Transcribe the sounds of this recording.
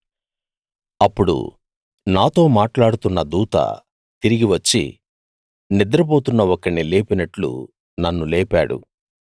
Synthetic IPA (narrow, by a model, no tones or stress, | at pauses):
ɐpːuɽṵ | naːt̪o̞ːmaːʈlaːɽut̪unːɐd̪uːt̪ɐ̰ | t̪iɾiɡiʋɐt͡ʃːḭ | nid̪ɾɐpo̞ːt̪unːɐwɔkɐileːpinɐʈlṵ | nɐnːulɛːpaːɽṵ